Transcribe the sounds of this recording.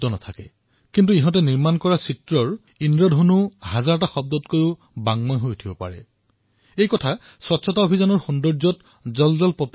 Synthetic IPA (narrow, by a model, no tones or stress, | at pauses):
dɔnatʰakɛ̰ | kint̬uiɦɔ̃t̬ɛniɹmankɔɹasitɹɔɹ | inɹɔdʱonuhazaɹɔtaxɔb̚dɔtkojʊ | baŋmɔjɦojtʰibɔpa̰ɹɛ̰ | ejkɔtʰa | swɔtsʰɔtaobʱizanɔɹxundɔɹzɔt | zɔlzɔlpɔt